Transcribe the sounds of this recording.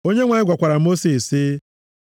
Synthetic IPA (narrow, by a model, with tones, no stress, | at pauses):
o˦ɲe˦ŋʷa˨ɲɪ˦ɡʷa˨kʷa˨ɾa˨mo˦si˨si˦